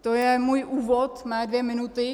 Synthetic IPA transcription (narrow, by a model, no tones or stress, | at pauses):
t̪ojɛmuːjʔuːvɔt̪mɛd̪ʋemɪnut̪ɪ